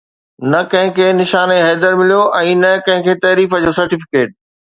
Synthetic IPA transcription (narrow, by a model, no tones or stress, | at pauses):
nɐkɐ̃ɦɪ̃kʰeːnɪʃaːneɦɛːd̪əɾmɪlijoʔɛ̃ːnɐkɐ̃ɦɪ̃kʰeːt̪ɐːɾiːfəd͡ʑoːsɐɾʈɪfɪ̥keːʈ̚